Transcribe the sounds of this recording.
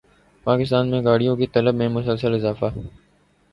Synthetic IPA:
paːkɪs̬t̪aːnmẽɡaːɽ̤ijõkit̪ɐləbmẽmʊsəlsəlɪzaːfaː

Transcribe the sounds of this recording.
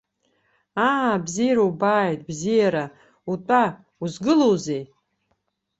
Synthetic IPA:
aːbzijaɾaubaːjtʼbzijaɾa | utʷʼa | uzɡɨlowzej

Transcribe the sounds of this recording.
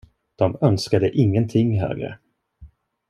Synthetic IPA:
d̪̥ɔmœnskad̪əʔɪŋːənt̪ʰɪŋːɦø̰ːɡɾə̰

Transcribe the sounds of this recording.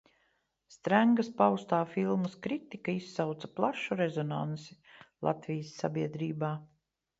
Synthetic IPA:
st̪ɾæŋɡɐspawst̪aːfilˠmɐskɾit̪ikaisːawt̪sɐplˠaʃuɾezɔna̰nsi | lˠa̰t̪vʲijəsːa̰bʲiɛd̪ɾiːbaː

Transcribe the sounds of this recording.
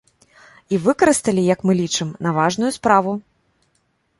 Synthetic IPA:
ivɨkɐɾɨst̪ɐlʲijɐkmɨlʲit͡ʂɨmnavaʐnujuspɾavu

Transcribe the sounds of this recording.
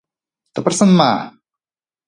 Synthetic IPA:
t̪apɾasanmaː

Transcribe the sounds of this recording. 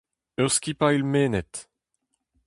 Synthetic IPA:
øʁskʲipailmeːnɛt̪

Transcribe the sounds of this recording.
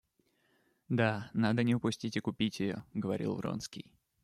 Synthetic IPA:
d̪anad̪ənʲɪʊpʊsʲtʲitʲɪkʊpʲitʲɪjo̰ɡəvɐɾʲʔḭlˠro̰nskʲḭj

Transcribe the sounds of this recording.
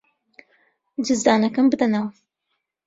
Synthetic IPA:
d͡ʒɨzd̪aːnɐkɐmbɨd̪ɐnawɐ

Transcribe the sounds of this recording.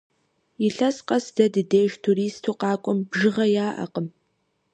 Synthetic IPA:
ɪɬɐsqʼɐsd̥ɐdɨdeːʒtʰuɾiːstʰuːqɑːkʷʼʊmbʒɨʁɐjaːʔɐ̰qʼəm

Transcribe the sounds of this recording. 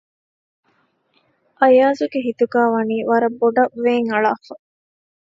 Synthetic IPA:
ʔɐjaːzuɡeɦit̪uɡæːʋɐniːʋɐɾɐbːoɖɐʋːeːŋɐɭaːfɐ

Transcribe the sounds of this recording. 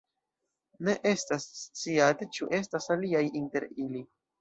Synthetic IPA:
ne̞ʔe̞stasːt͡siate̞t͡ʃuʔe̞stasaliajinte̞ɾili

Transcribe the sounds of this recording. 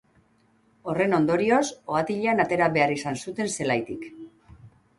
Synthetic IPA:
o̞re̞no̞nd̪o̞ɾio̞so̞at̪iʎeanat̪e̞ɾaβe̞aɾisansut̪e̞nse̞lajt̪ik

